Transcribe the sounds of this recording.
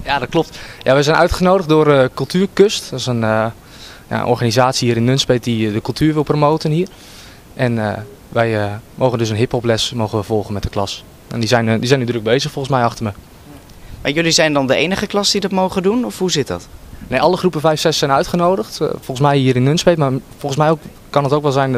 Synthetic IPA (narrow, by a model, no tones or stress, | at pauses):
jadɔt̚klɔp̚tjaʋɛjzɛjnʔœ̰ɥtχənoːdəχtdʊərkɵlˠtʰyːrkøstɔsən | ja̰ə̰nʔɔ̰ɹχaːnizaːtsihiːɾɪnːønspet̚didəkɵlˠtʰyːɹʋɪlˠpromoːwtənɦiːər | ʔɛnə | ʋɛjmowɣəndɵs̬ənɦɪphɔplɛsmowɣənʋəvɔlˠxχənmɛt̚dəklɑs | ɛ̰ndizɛjndizɛjnydrøk̚bejzəxfɔlˠxənsmɛjɑχtərmə | ma̰jɵlizɛjndɑndəejnəχəklɑsdidɔtmowχədunɔfhuzɪt̚dɑ̰tnejɑlˠəχrupəvɛjfsɛsɛjnœɥtχənowdəxtfɔlˠən̩smɛjɦiːəɾɪnːønspetmaːfɔlˠχən̩smɛjokː | ɑnɦətowkʋɛlˠzɛjn